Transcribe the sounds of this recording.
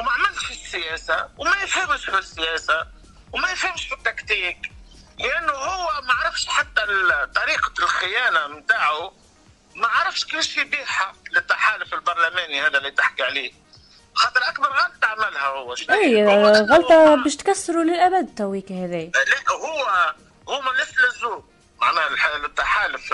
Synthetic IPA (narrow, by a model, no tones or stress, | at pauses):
wmaʕmɪlt̪ʃfisːɪjæːsawmæjfhɪmʃfisːɪjæːsa | wmæjfhɪmʃfit̪ːakt̪iːklɪʔanːʊhʊwːɪmaʕɾɑfʃħat̪ːat̪ˤːɑɾiːqlxɪjæːnamt̪aːʕu | maʕɾɑfʃkɪlʃibiːħalɪt̪ːaħaːlʊfɪlbɑɾˤlæmæːnihæːðælːit̪ɪħkiʕliː | xɑːt̪ˤəɾʔak̚bɑɾˤɣɑlt̪ˤt̪aʕmɪlhæhʊwːæʃʔijɣɑlt̪ˤɑbɛːʃt̪kæsːɾulɪlʔæbad̪t̪æwiːkhæðɛːjlɛːkhʊwːæ | hʊːmɪnːɪslɪzuː | maʕnæːħlɪt̪ːaħaːlʊf